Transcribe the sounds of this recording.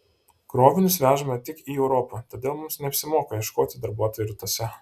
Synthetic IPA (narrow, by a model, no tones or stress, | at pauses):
kɾoːʋʲɪnʲʊsʋʲæːʒɐmʲɛt̪ʲɪkiːɛʊɾoːpɐt̪oːd̪ʲeːlˠmʊmsnʲɛɐpʲsʲɪmoːkɐjɛʃkoːt̪ʲɪd̪ɐɾbuɔt̪oːjuɾʲɪt̪ɔsʲɛ